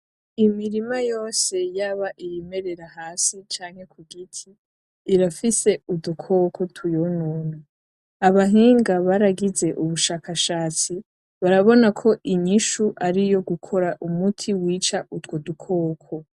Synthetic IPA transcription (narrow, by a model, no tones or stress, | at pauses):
imiɾimajo̞ːse̞jaːβaʔijeme̞ɾe̞ɾahaːsit͡ʃaːŋhe̞kuɡitʰiː | ɾafise̞udukʰo̞kʰo̞tʰujonuːna | aβaɦiːŋɡaβaɾaɡize̞ʔuβuʃaːkaʃaːt͡si | βaɾaβo̞nakʰo̞ʔiɲiʃuʔaɾijo̞ɡukʰo̞ɾaʔumutʰiwiːt͡ʃaʔutwodukʰo̞ːkʰo̞